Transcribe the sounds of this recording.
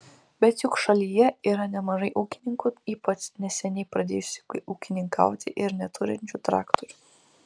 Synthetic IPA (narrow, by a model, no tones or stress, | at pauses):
bʲɛt̪jʊkʃɐlʲijɛiːɾɐnʲɛmɐʒɐɪʔuːkʲɪnʲɪŋkʊiːpɐt͡ʃnʲɛsʲɛnʲɛɪpɾɐd̪ʲeːjʊsʲɪ̥uːkʲɪnʲɪŋkʰɐ̰ˑʊt̪ʲɪʔɪɾnʲɛt̪ʰʊɾʲɪnʲt͡ʃʲuːt̪ɾɑ̰ːkt̪ɔɾʲʊ